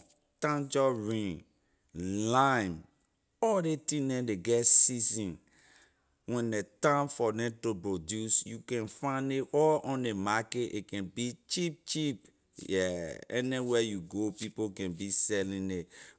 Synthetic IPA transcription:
tãnd͡ʒɔɹĩn | lãm | ɔldetĩdɛ̃deɡɛtsizĩn | wɛ̃ndetãnfɔdɛ̃topɹodjusjukɛ̃nfãneɔlɔ̃ndemaketʔḛkɛ̃nbit͡ʃip̚t͡ʃip | jɛɛ̰niwɛjuɡopipokɛ̃nbisɛlĩe

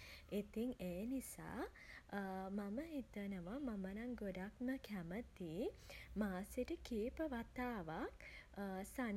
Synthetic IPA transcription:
it̪iŋeːnisa̰ː | maməɦit̪ənəʋamamənaŋɡoɖakməkʰæmət̪iːmaːsiʈəkiːpəʋat̪aːʋak | san

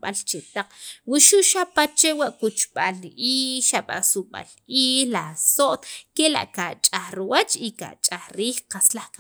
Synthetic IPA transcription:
ɓalt͡ʃet̪aq͡χwuʃuʔʃapat͡ʃewaʔkut͡ʃɓaliʔiːʃaɓa̰suɓa̰lʔiːlasoʔt̪kela̰ʔkaʔt͡ʃʼaχɾwat͡ʃika̰t͡ʃʼaχɾiːχqaslaχka

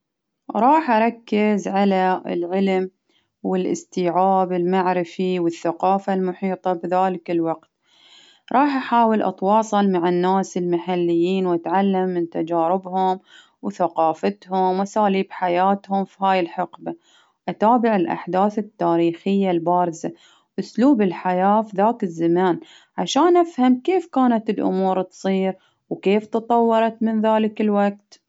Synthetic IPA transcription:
ɾˤɑːħʔɑɾˤɑkːɪzʕalaɪ̰lʕɪlm | wɪlʔɪ̰st̪iːʕaːbɪlmaʕɾɪfiwɪθːaqɑːfalmʊħiːt̪ˤɑbðaːlɪkɪlwɑqt̪̚ | ɾˤɑːħʔaħaːwɪlʔɑ̰t̪wɑːsˤɨlmaʕanːaːsɪlmaħalːɪjːiːnwʔat̪ʕalːamːɪnt̪ad͡ʒaːɾɪbhʊm | wθaqɑːfat̪hʊmwʔasaːliːbħajaːt̪hʊmfiɦaːjɪlħɪqba | ʔat̪aːbɪʕɪlʔa̰ħd̪aːθɪt̪ːaːɾiːxɪjːalbaːɾɪza | ʔʊsluːbɪlħajaːfiðaːkɪzːamaːn | ʕaʃaːnʔafhamkeːfkaːnat̪ɪlʔʊ̰muːɾt̪sˤiːɾ | wkeːft̪ɨt̪ˤɑwːɑɾˤɑt̪mɪnðaːlɪkɪlwak̚t̪

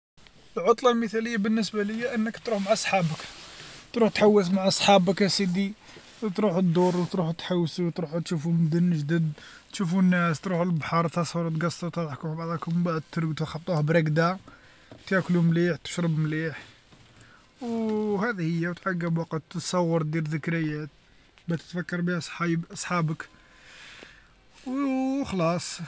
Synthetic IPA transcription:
əlʕot̪ˤlɑlməθæləjːabənːəsbaləjːæʔənːəkt̪ɾuħmaʕɑsˤħɑbəkt̪ɾuħt̪ħawːəsmaʕɑsˤħɑbəkæsid̪i | t̪ɾuħd̪uɾˤwt̪ɾuħt̪ħawːswt̪ɾuħut̪ʃufumd̪ənːəʒd̪əd̪ | t̪ʃufunːæst̪ɾuħəlbħɑɾˤt̪ɑsˤhɑɾˤut̪ɡɑsˤːɑt̪ɑˤħkʊmbɑʕd̪ˤɑkʊmbaʕd̪̚t̪əɾt̪ɑxɑt̪ˤːuhbɾɑɡd̪a | t̪jæklumliħt̪ə̥ʃɾəbmliħ | whæd̪həjːæwt̪ʕaɡːəbwɑqət̪ət̪sˤɑwːəɾˤd̪iɾðəkɾəjːæt̪̚ | bæt̪ə̥t̪fækːɑɾˤbihæsˤħɑbʔɑsˤħɑbək | wxlɑsˤ

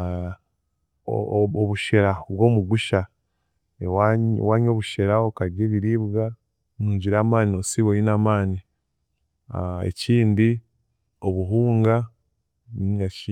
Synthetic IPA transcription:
oβuʃeɾaβwo̞ːmuɡuʃa | ewawaːɲo̞ːβuʃeɾaokaɾjeβiɾiːβɡa | muːɲɟiɾaːmaːniosiβojinaːmaːni | ḛciːndi | o̞βuɦuːŋɡa | niːŋɡaʃi

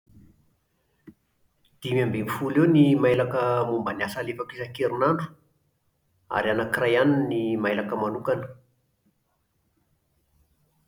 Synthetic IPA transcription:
d̪̥imambemifulewnimajlakəmumbanasalefakizakeɾunaɳɖ͡ʐu̥ | a̰ɾanakirajaninːimajlakəmanukanə̥

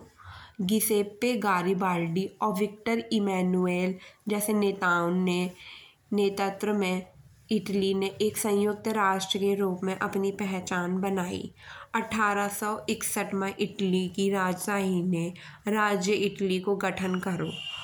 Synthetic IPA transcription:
ɡɪseːpːeɡaːɾibaːlɖiɔːɾʋɪk̚ʈəɾɪmɛːnueːld͡ʒɛːseneːt̪aːʊnːe | neːt̪ət̪ɾəmẽ | ɪʈlineʔeːksə̃jʊk̚t̪əɾaːʃʈɾiiəɾuːpmẽʔɐpnipɛɦt͡ʃaːnbɐnaːḭɐʈʰaːɾasɔɪksəʈmẽʔɪʈlikiɾaːd͡ʒsaːɦine | ɾaːd͡ʒjəɪʈlikoɡɐʈʰənkɐɾo̰ː

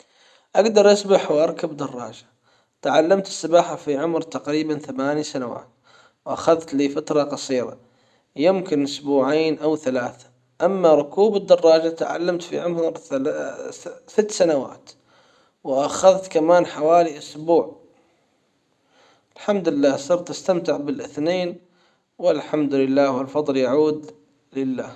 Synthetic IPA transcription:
ʔaɡd̪ɑɾˤʔasbaħwʔɑɾˤkabd̪ɑrˤːɑ̰ːd͡ʒḁ | t̪ʕalːamt̪ɪ̥sːɪbaːħafiʕʊmɾt̪aqɾiːbanθamaːnisanawa̰ːt̪ | wʔaxaðt̪liːfat̪ɾˤɑqɑsˤiːɾɑ̰ | jɪmkɪnʔʊsbuːʕaːnʔawθalaːθḁ | ʔamːaɾˤʊkuːbɪd̪ːɑrˤːɑːd͡ʒat̪aʕa̰lːamt̪fḭʕʊmɾa | sɪt̪ːsanawa̰ːt̪ | wɪʔaxaðt̪kamaːnħawaːliʔʊsbuːʕ | ʔɪlħamd̪ʊlɪlːaːhsˤɨɾt̪ɪst̪amt̪ɪʕbɪlʔɪθneːn | wɪlħamd̪ʊlɪlːaːhwɪlfɑðˤljaʕuːd̪ | lɪlːaː

